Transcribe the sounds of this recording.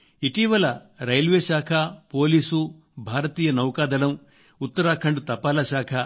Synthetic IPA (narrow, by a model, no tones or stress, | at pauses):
iʈiːʋɐlɐ | ɾɐjlʋeːʃaːkʰɐpo̞ːliːsu | bʱaːɾɐt̪iːjɐnɐwkaːd̪ɐlɐm | ut̪ːɐɾaːkʰɐɳɖut̪ɐpaːlɐʃaːkʰɐ